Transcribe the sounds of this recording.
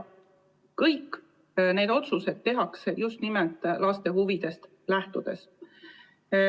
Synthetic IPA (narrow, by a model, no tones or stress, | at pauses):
kɤjkː | ne̞ːd̪̥o̞t̪suse̞d̪̥̚t̪ːe̞ɦɑksejust̪nimelt̪ˑlɑst̪e̞ɦuvid̪̥e̞st̪ | læht̪ud̪̥e̞s